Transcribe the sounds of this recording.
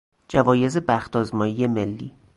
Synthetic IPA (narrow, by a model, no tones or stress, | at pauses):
d͡ʒævɒːje̞zebæxt̪ʰɒːzmɒːjije̞melːḭː